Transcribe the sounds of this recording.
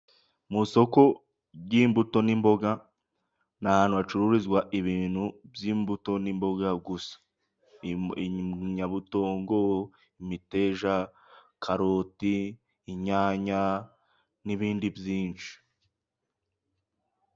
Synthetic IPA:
muso̞ko̞ | jiːmbuto̞nimbo̞ɡa | nahaːnhuβat͡ʃuɾuɾizɡwaʔiβiːn̥hubjiːmbuto̞nimbo̞ɡaɡusḁ | ɲaβuto̞ːŋɡo̞ | imite̞ːʒa | kʰaɾotiː | ɲaːɲa | niβiːndibjiːnt͡ʃi̥

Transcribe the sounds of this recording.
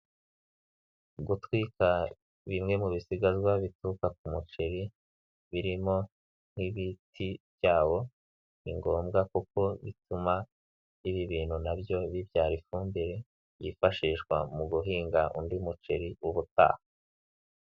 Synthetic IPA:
ɡutwika | βimŋe̞muβisiɡazwaβitukak̚umut͡ʃeɾi | βiɾimo̞ | n̥hiβitʰibjaːwo̞ | βiŋɡo̞ːmɡakuko̞βituma | iβiβiːn̥hunabjo̞βibjaːɾifuːmbiɾe̞ | jḭfaʃiːʃkwa̰muɡuɦiːŋɡaʔundimut͡ʃeɾiuβuta̰ːha

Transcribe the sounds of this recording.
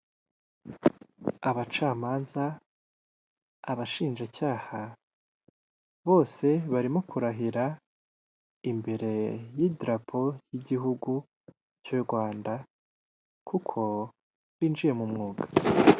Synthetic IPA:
aβat͡ʃaːmaːnza | βaʃiːnʒacaːha | βo̞ːse̞βaɾimo̞kuɾaɦiɾa | imbe̞ɾe̞jidɾapʰo̞jiɟiɦuɡu | t͡ʃoɾɡwaːnda | kukʰo̞ | βiːnd͡ʒije̞mumŋuːɡḁ

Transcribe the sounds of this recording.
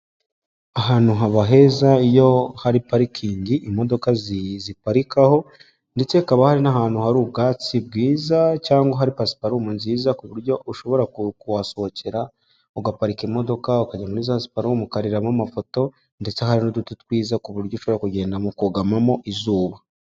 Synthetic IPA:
aɦaːnuɦaβaɦe̞zaijo̞haɾipaɾikʰiːɲɟiʔimo̞do̞kazzipaɾikaho̞ | nde̞t͡se̞kaβahaɾinaɦaːn̥huhaɾuːb̚ɡaːt͡sib̚ɡiːzacaːŋɡaɦaɾipasi̥paɾumunziːzakuβuɾɟo̞ʔuʃo̞βo̞ɾakkuwaso̞hoceɾa | uɡapaɾikimo̞do̞kaukaɟamunizasi̥paɾuwumukaɾiɾamamafo̞to̞ | nde̞t͡se̞haɾinodututwiːzakuβuɾɟouʃoβo̞ɾakuɟe̞ːndamokuɡamamo̞ʔizuːβa

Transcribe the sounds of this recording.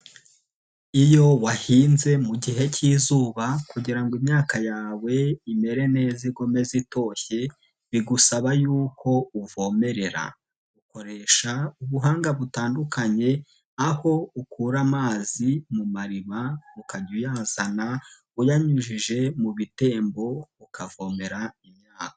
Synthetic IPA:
ijo̞wahiːnze̞muɟiɦe̞cʰiːzuːβakuɟiɾaŋɡimɲaːkajaːwe̞ime̞ɾe̞ne̞ːziɡome̞zito̞ːçe̞ | βiɡusaβajuːko̞uvo̞ːme̞ɾe̞ɾa̰ | uko̞ɾe̞ʃauβuɦaːŋɡaβutaːndukaɲe̞ | aho̞ukuːɾamaːzimumaɾimaukaɟujaːzana | ujaɲuʒiʒe̞muβite̞ːmbo̞ukʰavo̞ːme̞ɾaimɲaːkḁ

